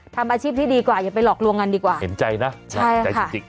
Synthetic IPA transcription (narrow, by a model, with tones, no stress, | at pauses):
t̪ʰa˧mʔaː˧t͡ɕʰiː˥˩p̚t̪ʰiː˥˩diː˧kwaː˨˩jaː˨˩pa˧jlɔː˨˩k̚lu˧əŋːa˧ndiː˧kwaː˨˩he˩˦nt͡ɕa˧jna˦˥t͡ɕʰa˥˩jt͡ɕa˧jkʰai˧˥˩t͡ɕi˧ŋ